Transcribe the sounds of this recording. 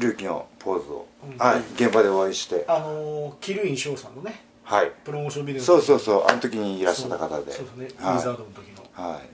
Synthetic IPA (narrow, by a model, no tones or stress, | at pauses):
ɾɯ̟ːkʲino̞̰pʰo̞ːzɨo̞̰haiɡẽ̞mbad̪e̞o̞aiɕi̥t̪e̞anokʲiɾɯ̟ĩɰ̃ɕoːsãnːone | haipɯɾomoːɕõmbʲineso̞ːso̞ːso̞ːʔa̰not̪o̞kʲiɲ̟iːɾaɕːat̪ːakat̪ad̪eodesnehiaːizaːd̪onot̪okʲinohaḭ